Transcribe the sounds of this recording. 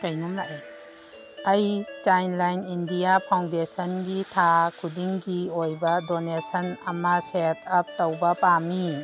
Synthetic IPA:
kajnumlaʔa | ɐjt͡ʃajnlajnindijapʰaw̃ndesɐnɡitʰakʰudiŋɡiojbɐdonesɐnɐmɐsetʰɐp̚tɐwbɐpami

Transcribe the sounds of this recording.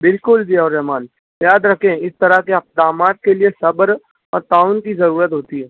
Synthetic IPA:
bɪlkʊld͡ʒiɔːɾɛɦmaːn | jaːd̪ɾɐkʰẽɪst̪ɐɾakeɐp̚d̪aːmaːt̪̚keliesɐbəɾ | ɔːɾʈ̪aːʊnkizɐɾuːɾət̪ɦoːt̪iɦɛː

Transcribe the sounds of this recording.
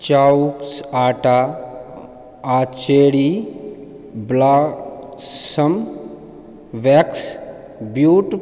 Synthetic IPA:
t͡ʃauksaːʈa | at͡ʃeɽi | blaː | sɐm | ʋeks | bjuːʈ

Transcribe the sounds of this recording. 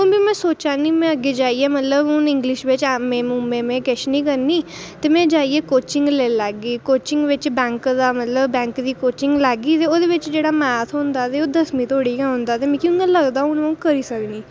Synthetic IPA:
ʊ̃bimɛ̃ːsoːt͡ʃaːniːmɛ̃ːəɡeːd͡ʒaːiːɛːmət̪ləbʊnɪ̃ŋɡlɪʃʋɪt͡ʃɛːmẽːmumẽːmɛ̃ːkɛʃnĩːkəɾniːt̪eːmɛ̃ːd͡ʒaːiːeːkoːt͡ʃɪ̃ŋɡleːlɛːɡiːkoːt͡ʃɪ̃ŋɡʋɪt͡ʃbɛ̃ːŋkd̪aːmət̪ləbbɛ̃ːŋkd̪iːkoːt͡ʃɪ̃ŋɡlɛːɡiːt̪eːoːd̪eːʋɪt͡ʃd͡ʒeːɽaːmɛːt̪ʰɦõnd̪aːt̪eːoːd̪əsmĩːt̪ʰoːɽiːkɛ̃ːɦʊ̃nd̪aːt̪eːmɛ̃ːkjũŋɡãːləɡd̪aːʊnːũkəɾiːsəkniː

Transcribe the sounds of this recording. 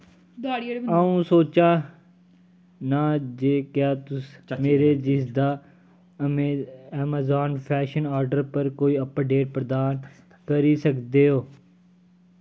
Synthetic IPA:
d̪ɽiaːũːsoːt͡ʃãː | naːd͡ʒeːkjaːt̪ʊsmeːɾeːd͡ʒɪsd̪aː | ɛːmaːzaːnpʰɛːʃənaːɾɖəɾpəɾkoːiːəpːəɖeːɾpɾəd̪aːn | kəɾiːsəkd̪eːɦoː

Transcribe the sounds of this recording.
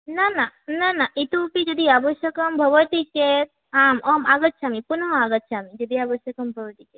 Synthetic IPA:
nanananaʔit̪upid͡ʒəd̪iabəʃjəkəmbʱəʋəʈiket̪ | aːmɐmaɡət̪̚ʃʰamipunɦɔaɡət̪ʃʰamid͡ʒəd̪iabəʃjɐkəmbʱəʋəʈ̪ike

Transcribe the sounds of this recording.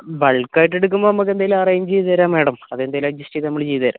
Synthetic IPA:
bɐɭkːaːjiʈːeɽuk̬ːumbonɐmːɐk̬ːe̞nd̪aːjilaːrɐjimt͡ɕejðɐɾaːmʋeːɽɐmɐðe̞nd̪aːjilɐɡ̚d͡ʑusʈijnɐmːɐɭt͡ɕejt̪ːɐɾa̰ːm

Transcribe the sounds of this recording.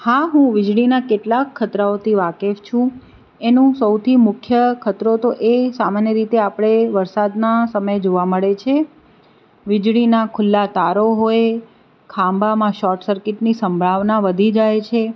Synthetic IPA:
haɦũʋɪd͡ʒɽɭinakeʈlakʰːət̪ɾaot̪ʰiʋakeft͡ʃʰũ | enũsəwt̪ʰimʊkʰjəkʰət̪ɾot̪oʔesamanjəɾit̪eapɽ̃eʋəɾsad̪nasəməjd͡ʒoʋaməɭet͡ʃʰe | ʋɪd͡ʒɽinakʰʊlːat̪aɾoɦoe | kʰãmbamãʃɔɾʈsəɾkɪʈnisəmbʱɭaʋnaʋəd̪ʱid͡ʒajt͡ʃʰe

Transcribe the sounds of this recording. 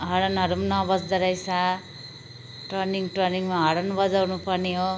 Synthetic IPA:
ɦʌɾʌnɦʌɾumnʌbʌsd̪ʌɾʌjsʰa | ʈrʌniŋʈrʌniŋmaɦʌɾʌnbʌd͡zawnupʌrneɦo

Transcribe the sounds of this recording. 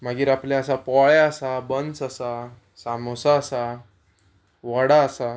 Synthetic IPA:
m̤aɡiːɾapljaəsapɔɭjaəsabənt͡sasa | samosaːsa | ʋəɽaːsa

